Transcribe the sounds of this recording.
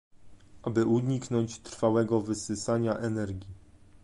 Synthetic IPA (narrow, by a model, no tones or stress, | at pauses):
ʔabɘʔuɲiknɔɲt͡ɕt̪ɾfawɛɡɔvɘsɘsaɲaʔɛnɛɾɡʲi